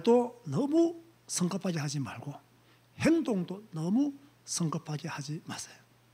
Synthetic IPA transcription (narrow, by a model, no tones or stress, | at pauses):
t̪ɔnamu | sʰəŋkapʰːakiɦat͡ɕima̰lɡo | hent̪oŋt̪ɔnamu | sʰəŋkapʰːakihat͡ɕimase̥